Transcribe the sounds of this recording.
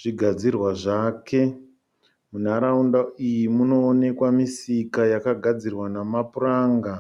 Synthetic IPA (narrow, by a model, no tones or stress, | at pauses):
ʐ̥iɡʱad͡zirwaʐake̞ | mun̤aɾaundaijimuno̞ːne̞kwamisikajakaɡʱad͡zirwanamapuraːŋɡa